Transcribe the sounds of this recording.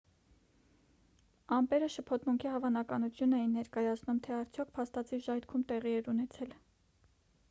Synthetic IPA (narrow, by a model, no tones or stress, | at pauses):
ɑmpɛɾəʃəpʰɔt̪muŋkʰihɑvɑnɑkɑnut͡sʰjunɛjinːɛɾkɑjɑt͡sʰnumt̪ʰɛɑɾt͡sʰjɔk̚ʰpʰɑst̪ɑt͡sʰiʒɑjt̪kʰumt̪ɛʁiɛɾunɛt͡sʰɛl